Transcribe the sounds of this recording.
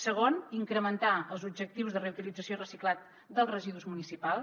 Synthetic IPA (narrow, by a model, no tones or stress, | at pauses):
səɣoniŋkɾəmənt̪aəlˠzubd͡ʒək̚t̪iwzðəreut̪ilid͡zəsiorəsiklat̪̚ | d̪əlˠrəʒiðuzmunisipalˠ